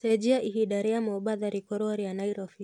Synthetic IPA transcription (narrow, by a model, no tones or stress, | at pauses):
sɛd͡ʒiaʔiɦiɗaɾiamɔɓaðaɾikɔɾɔaɾianajɾɔfi